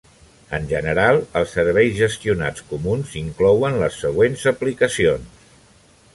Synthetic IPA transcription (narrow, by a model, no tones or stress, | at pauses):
ənʲʒənəɾalˠəlˠsːəɾβ̞ɛjzʒəst̪iuna̰t͡skumunziŋklɔwənləsːəɣ̞wenzəplikəsions